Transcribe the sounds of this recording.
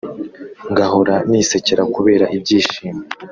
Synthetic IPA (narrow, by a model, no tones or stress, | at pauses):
ŋɡaɦoɾanise̞ceɾakuβe̞ːɾaʔib̚ɟiːʃiːme